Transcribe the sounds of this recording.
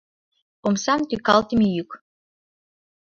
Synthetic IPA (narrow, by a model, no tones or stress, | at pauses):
omsɑmt̪ykɑlˠt̪imʲijyk